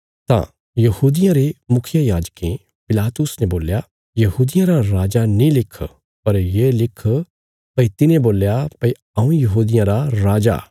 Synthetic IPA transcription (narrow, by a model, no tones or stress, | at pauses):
t̪ã̰ | jɐhuːd̪ɪjãɾemʊkʰɪjajaːd͡ʒkẽ | pɪlaːt̪ʊsnɛboːlja | jɐɦuːd̪ɪjãɾaɾaːd͡ʒanĩlɪkʰ | pɐɾjelɪkʰ | pɐit̪ɪnẽboːljapɐi | ɐũjɐɦuːd̪ɪjãɾaɾaːd͡ʒa̰